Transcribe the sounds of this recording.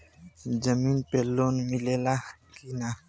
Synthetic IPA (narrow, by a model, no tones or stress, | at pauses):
d͡ʒəminpelonmilela | kina